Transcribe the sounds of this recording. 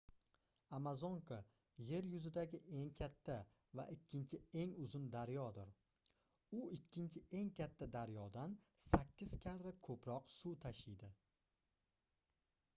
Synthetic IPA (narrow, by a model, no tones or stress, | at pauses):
amazoŋkʰa | je̞ɾjʊzɪd̪aɡʲɪʔe̞ŋkʲʰat̪ʰːa | va̰ʔɪkʲʰːɪnt͡ʃʰɪe̞ŋʊzɪnd̪aɾjɒd̪ɪɾ | ʊɪkʲʰːɪnt͡ʃʰɪe̞ŋkʲat̪ʰːad̪aɾjɒd̪ansakʲʰːɪz̥kʲʰaɾːɪkʰɵpɾɒqsut̪ʰaʃɪjd̪ɪ